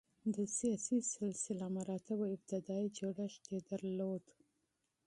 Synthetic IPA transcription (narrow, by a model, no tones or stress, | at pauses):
d̪əsijɑsisɪlsɪlamaɾɑt̪ɪbaɪb̚t̪ɪd̪ɑid͡ʒoɽaʃt̪ed̪aɾlod̪